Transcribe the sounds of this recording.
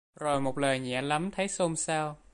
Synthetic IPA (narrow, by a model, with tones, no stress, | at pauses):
zo˨˩jmo˨˩t̚ləː˨˩jɲɛ̰˧˩əla˨˦mt̪ʰə˨˦jso˧msaː˧w